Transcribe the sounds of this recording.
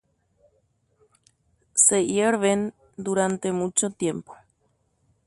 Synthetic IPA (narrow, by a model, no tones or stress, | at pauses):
sejeɾβen | d̪uɾant̪emut͡ʃot̪jempo̥